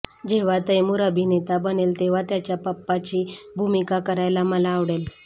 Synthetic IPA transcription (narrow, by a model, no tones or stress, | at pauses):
d͡ʑeʋ̤at̪ejmuːɾəbʱinet̪abənelt̪eʋ̤at̪jat͡ɕjapəpːat͡ɕiːbʱumikakəɾajlaməlaːʋɽel